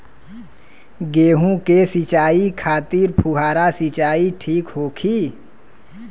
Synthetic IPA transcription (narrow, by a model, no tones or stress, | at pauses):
ɡeːɦũkesit͡ʃaːikʰaːt̪iːɾpʰuɦaːɾasit͡ʃaːiʈʰiːkɦoːkʰiː